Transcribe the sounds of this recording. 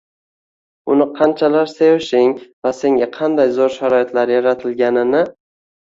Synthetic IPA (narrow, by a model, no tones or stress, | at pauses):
ʊnɪqʰɑnt͡ʃʰalaɾsejɪʃɪŋvase̞ŋɡʲaqʰɑnd̪ajzoɾʃaɾɒjɪt̪ʰlaɾjaɾat̪ʰɪlɡʲanɪnɪ